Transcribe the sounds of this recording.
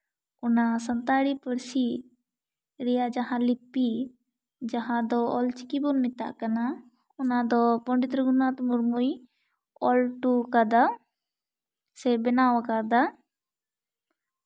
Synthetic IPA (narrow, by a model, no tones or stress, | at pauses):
ɔnasənt̪aɽipəɽsi | ɾɛjaʔd͡ʒaɦãlipːi | d͡ʒaɦãd̪ɔɔlt͡ʃi̥kibɔnmit̪a̰ʔkana | ɔnad̪ɔpɔɳɖit̪ɾəɡunat̪muɾmuj | ɔlʈukad̪a | sɛbɛnawakad̪a